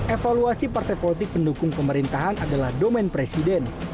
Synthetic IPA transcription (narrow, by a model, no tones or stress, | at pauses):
ʔefaluasipart̪ajpolit̪ɪk̚pəndukʊŋpəməɾint̪aɦanadalahdomɛnpɾesidɛn